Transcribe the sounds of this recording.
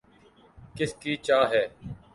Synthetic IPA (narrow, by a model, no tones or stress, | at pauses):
kɪskiːt͡ʃaːɦɛː